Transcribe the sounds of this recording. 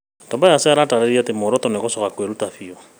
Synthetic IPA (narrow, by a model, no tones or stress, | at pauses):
tɔbajasɪaɾataɾeɾiatemɔɾɔtɔnɛkɔsɔkakweɾutafiɔ